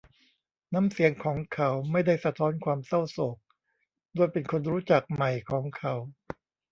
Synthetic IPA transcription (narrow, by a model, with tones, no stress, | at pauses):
naː˦˥msi˨˩˦əŋkʰɔː˩˦ŋkʰa˨˦˥wma˥˩jda˥˩jsa˧t̪ʰɔː˦˥nkʰwaː˧msa˥˩wso˨˩k̚ | doː˧jpe˧nkʰo˧nɾuː˦˥t͡ɕa˨˩k̚ma˨˩jkʰɔː˩˦ŋkʰa˨˧˥w